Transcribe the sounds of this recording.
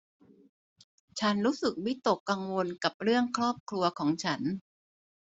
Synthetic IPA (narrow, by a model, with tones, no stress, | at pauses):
t͡ɕʰa˦˥nɾuː˦˥sɯ˨˩k̚wi˦˥t̪o˨˩kːa˧ŋwo˧nka˨˩p̚ɾɯ˥˩əŋkʰɾɔː˥˩p̚kʰɾu˧ɐkʰɔː˩˦ŋt͡ɕʰa˦˥n